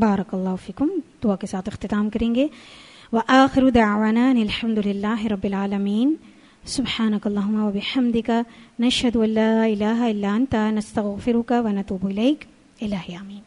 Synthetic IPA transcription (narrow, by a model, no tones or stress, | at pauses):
baːɾɐkɐlˤːaːɦʊfiːkʊmd̪̥ʊakesaːt̪ʰɪxt̪ɪt̪aːmkɐɾẽːŋɡe | ʋɐʔaːxɪɾud̪aʕʋaːnanɪlħɐmd̪ʊlɪlːaːɦɪɾɐbːɪlʕaːlɐmiːn | sʊbħaːnɐkɐlˠˤːaːɦʊmːaʋɐbɪħɐmd̪ɪkanɐʃhɐd̪uɐnːaːɪlaːɦaɪlːaːɐnt̪anɐst̪ɐɣfɪɾʊkaʋɐnɐt̪uːbɪleːk | ɪlaːɦɪaːmiːn